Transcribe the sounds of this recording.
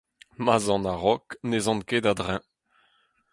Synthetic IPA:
mazɑ̃naʁɔknezɑ̃nkedad̪ʁɛ̃

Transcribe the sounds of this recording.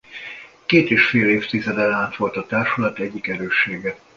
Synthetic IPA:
keːt̪eːʃfeːleːft̪izɛd̪ɛlaːnt̪ʋo̞lt̪ɒt̪aːrʃulɒt̪ɛɟːikɛɾøːʃːeːɡɛ

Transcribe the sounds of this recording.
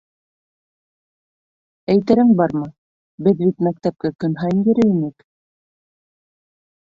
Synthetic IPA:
æjt̪æɾɘŋbɑɾmɤ | bɘðbit̪mæk̚t̪æp̚kæp̚kɵ̆nɦɑjnbɘ̆ɾɘinɘk

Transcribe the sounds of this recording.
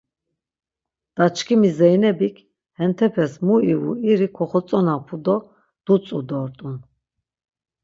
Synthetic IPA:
d̪̥at͡ʃʰkʰimizɛjnɛbikʰ | hɛnt̪ʰɛpʰɛsmuiṵiɾikʰɔχɔt͡sʼɔnapʰud̪ɔ | d̪̥ut͡sʼud̪ɔɾt̪ʼun

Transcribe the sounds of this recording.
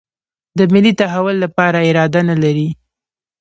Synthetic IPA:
d̪əmɪlit̪aɦawʊlːapɑɾaɪɾɑd̪analaɾi

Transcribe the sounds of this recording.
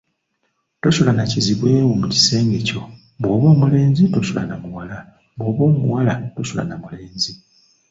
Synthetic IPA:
to̞ʃulanaciziβwe̞ːwumuci̥se̞ːŋɡe̞co̞ | βwo̞ːβo̞ːmule̞ːnzito̞sula̰namuwala | βwo̞ːβo̞ːmuwalatoʃula̰namule̞ːnzi

